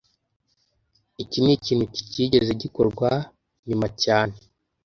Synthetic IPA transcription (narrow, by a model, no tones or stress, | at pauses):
iciniciːn̥huci̥ciːɟe̞ze̞ɟikoɾɡwa | ɲumacaːne